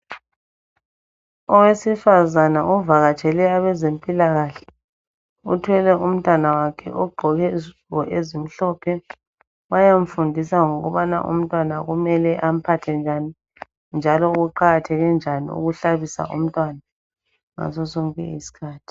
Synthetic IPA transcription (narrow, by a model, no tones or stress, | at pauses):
ɔwesifazanaʔuvaɣat͡ʃʰʼɛlɛaβɛzempʼilaɣaɬɛ̥ | utʰwɛlɛʔum̩tʼwanawakʰɛ̰ʔɔɡ͡ǃʱɔɣɛzuwɔʔezim̩ɬɔpʰɛ | wajam̩fundʱisaŋɔɣɔβana̰ʔṵm̩tʼwanaɣumɛlɛʔam̩pʰatʰɛnd͡ʒʱani | nd͡ʒʱalɔuɣuǃaɣatʰɛɣɛnd͡ʒʱanḭṵɣuɬaβisa̰ʔṵm̩tʼwana | ŋa̰zɔsɔŋkʼɛ̰ḭsi̥kʰaːtʰi̥